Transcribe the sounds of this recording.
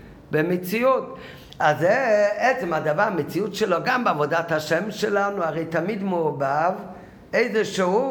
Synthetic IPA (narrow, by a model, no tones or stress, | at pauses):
bɪmɪt͡siut | azɛɛt͡sɛmadavaʁmɪt͡siutʃɛloɡambɪavɔdataʃɛmʃɛlanuaʁeɪtamidmʊːbav | eɪzɛʃeu